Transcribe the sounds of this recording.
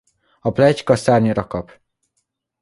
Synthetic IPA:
ɒplɛckɒsaːrɲoɾɒkɒp

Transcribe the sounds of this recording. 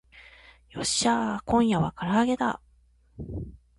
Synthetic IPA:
jo̞ɕakõ̞ɰ̃jaβakaɾaːɡe̞d̪a̰

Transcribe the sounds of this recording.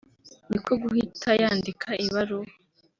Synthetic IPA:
nikʰoɡuhitʰajaːndikʰaʔiβaɾo

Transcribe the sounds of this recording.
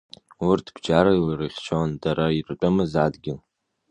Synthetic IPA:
urtʰb̥d͡ʒaɾailɨrɨχʲt͡ʃʰondaɾairt͡pʷʼamɨzadɡʲɪl

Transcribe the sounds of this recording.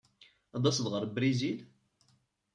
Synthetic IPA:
ɑd̪ˤɑsəd̪ʁəɾˤbɾizil

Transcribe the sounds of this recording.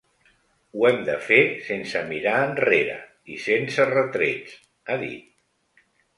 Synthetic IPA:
uɛmd̪ə̰fesensəmiɾaənreɾə̰ | isensərət̪ɾet͡s | aðḭt̪̚

